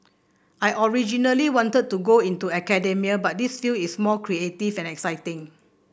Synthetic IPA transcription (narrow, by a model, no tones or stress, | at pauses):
ʔajʔɔɹid͡ʒinəliwɔ̃ntəd̚tːuɡoĩntuɛkɛdɛmiəbat̚disfilismɔkʰɹietifɛ̃nɛksaɪtɪ̃ŋ